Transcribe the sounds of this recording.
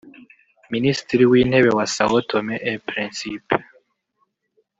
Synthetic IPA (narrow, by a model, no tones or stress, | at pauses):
ministiɾiwiːn̥he̞βewasawotʰomeʔepɾinsip